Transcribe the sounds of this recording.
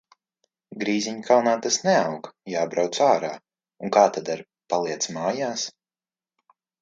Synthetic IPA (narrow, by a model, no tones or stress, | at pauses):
ɡɾiːziɲkʰawnaːt̪asnɛawɡjaːbɾawt̪saːɾaː | uŋkaːt̪ad̪aɾ | palˠiɛt̪smaːjaːs